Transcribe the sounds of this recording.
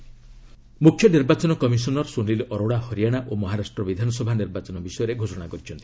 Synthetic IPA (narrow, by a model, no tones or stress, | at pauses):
mukʰjɔniɾbat͡ʃɔnɔkɔmisɔnɔɾsunlilɔɾoɽahɔɾijaɽ̃aʔomɔɦaɾasʈɾɔbid̪ʱanɔsɔbʱaniɾbat͡ʃɔnɔbisɔjɔɾeɡʱosɔɽ̃akɔɾit͡ʃʰɔnt̪ʰi̥